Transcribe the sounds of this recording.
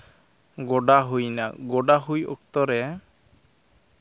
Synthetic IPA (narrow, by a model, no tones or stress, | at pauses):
ɡɔɖaɦujnaɡɔɖaɦujɔ̰k̚t̪ɔɾɛ